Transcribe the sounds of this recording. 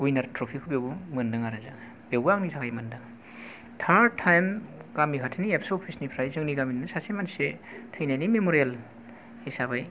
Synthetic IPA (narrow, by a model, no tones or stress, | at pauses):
ɡujnaɾtɾopʰikʰubewbumɯndɯŋaɾazaŋ | b̥ewɡaŋnitʰakʰajmɯndɯŋ | tʰatʰːajmɡ̥amikʰatʰiniepsopʰisnipʰɾajzɯŋniɡaminnɯsasemansetʰɯjnajnimemoɾijel | hisabaj